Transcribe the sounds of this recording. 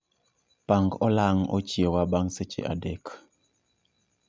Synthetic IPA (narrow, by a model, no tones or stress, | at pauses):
paŋɡɔlaŋɔ̰t͡ʃjewabaŋset͡ʃḛʔa̰dɛk